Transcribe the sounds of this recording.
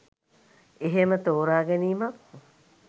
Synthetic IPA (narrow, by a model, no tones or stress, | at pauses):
eɦemət̪oːɾaːɡeniːma